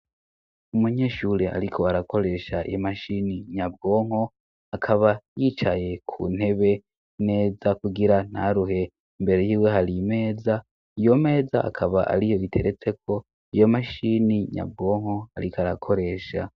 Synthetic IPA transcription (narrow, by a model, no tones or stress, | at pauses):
umuɲe̞ʃuːɾeʔa̰ɾikʰo̞aɾakʰo̞ɾe̞ʃaḭjomaʃiniɲab̚ɡo̞ːŋ̥ho̞ | akʰaβajiːt͡ʃaje̞kʰṵn̥he̞βe̞ | ne̞ːzakuɡiɾan̥haɾuɦe̞ | imbe̞ɾe̞jiːwe̞ɦaɾime̞ːza | ijo̞me̞ːza̰ʔa̰kʰaβaʔa̰ɾijo̞βitʰe̞ɾet͡se̞kʰo̞ | ijo̞maʃiniɲa̰b̚ɡo̞ːŋo̞aɾikaɾakʰo̞ɾe̞ːʃa̰